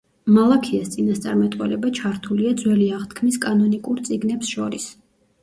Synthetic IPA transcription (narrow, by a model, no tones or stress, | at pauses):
malˠakʰiast̪sʼinast̪sʼa̰ɾmɛt̪ʼwɛ̰lɛbat͡ʃʰaɾt̪ʰuliad̪zwɛliaʁt̪ʰkʰmiskʼanɔnikʼuɾt̪sʼiɡnɛpsʃɔɾis